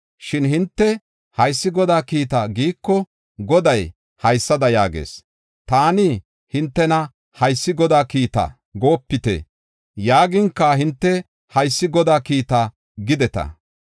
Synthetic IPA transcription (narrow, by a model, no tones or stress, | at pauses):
ʃɪnhɪnt̪ːɛ | hɐjsːɪɡɔd̪aːkiːt̪aɡiːkːɔ | ɡɔd̪ɐj | hɐjsːɐd̪ɐjaːɡḛːs | t̪aːni | hɪnt̪ːɛnɐ | hɐjsːɪɡɔd̪aːkiːt̪ɐ̰ | ɡo̞ːpːɪt̪ɛ̰ | jaːɡɪŋkːɐɦɪnt̪ːɛ | hɐjsːɪɡɔd̪aːkiːt̪a | ɡɪd̪ɛt̪ɐ̰